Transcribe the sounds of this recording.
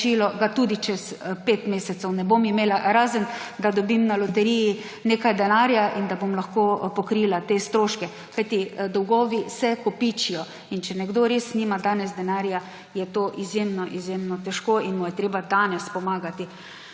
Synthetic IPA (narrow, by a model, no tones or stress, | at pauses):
iːlɔɡat̪uːd̪it͡ʃɛspeːt̪meːsɛt̪sɛwnɛbomimeːlaɾaːzənd̪ad̪ɔbimnalɔt̪ɛɾiji | neːkajd̪ɛnaːɾjaʔind̪abomlaxkoːpɔkɾilat̪eːst̪ɾoːʃkɛ | kajt̪id̪ɔwɡɔːʋisɛkɔpit͡ʃijɔ | int͡ʃɛnɛɡd̪oɾesniːmad̪aːnɛzd̪ɛnaːɾja | jɛt̪oːʔizjemnɔʔizjemnɔt̪ɛʃkoːinmɔjɛt̪ɾeːbad̪aːnɛspɔmaːɡat̪i